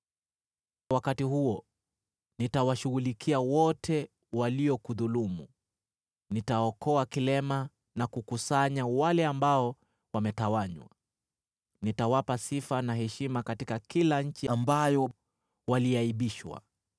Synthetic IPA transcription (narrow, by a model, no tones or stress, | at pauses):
wakatihuɔ | nitawaʃuɣulikʰiawɔtʰɛ | waliɔkuðulumu | nitaɔkʰɔakilɛma | nakukusaɲawalɛambaɔ | wamɛtawaɲwa̰ | nitawapasifanaɦɛʃimakatikakilaɲ̩t͡ʃiambajɔ | waliaiɓiʃwa̰